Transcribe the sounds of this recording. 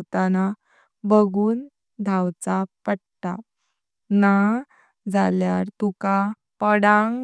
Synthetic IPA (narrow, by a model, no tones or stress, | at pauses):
t̪ana | bəɡuːn | d̪ʱawt͡sapəɽt̪a | na | d͡zaljaɾt̪uka | pəɽaŋ